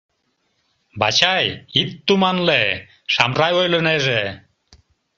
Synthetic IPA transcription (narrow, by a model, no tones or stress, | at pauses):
ba̰t͡ɕʰajit̪ːumanle | ʃamɾajojlɯnɛʐe